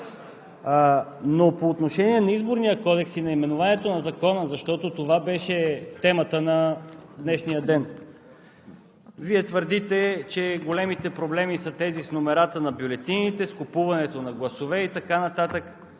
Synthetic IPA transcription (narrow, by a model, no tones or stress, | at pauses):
nopoːt̪noʃɛniɛnɐizboɾnijəkɔd̪ɛksinɐimɛnʊvaniɛt̪onɐzɐkɔnəzɐʃt̪ɔt̪ot̪ovabɛʃɛt̪ɛmət̪ənɐd̪nɛʃnijəd̪ɛn | viɛt̪vəɾd̪it̪ɛt͡ʃɛɡolɛmit̪ɛpɾoblɛmisət̪ɛzisnomɛɾat̪ənɐbjulɛt̪init̪ɛskopuvɐnɛt̪onɐɡlˠɐsovɛit̪ɐkanɐt̪at̪ək